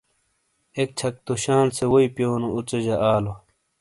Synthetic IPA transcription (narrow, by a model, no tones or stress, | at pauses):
ek̚t͡ɕʰɐk̚t̪uɕaːnsewoipjoːnout͡sɐd͡ʑɐʔaːlo